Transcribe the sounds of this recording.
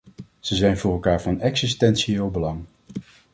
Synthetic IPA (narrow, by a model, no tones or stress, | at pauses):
z̥əzɛjnvʊːrɛlˠkaːɹvɑnɛksistɛnsiɪːlˠbəlɑŋ